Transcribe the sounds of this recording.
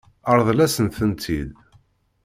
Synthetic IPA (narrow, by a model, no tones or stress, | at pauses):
əɾˤðˤlæsənθənt̪ʰid̪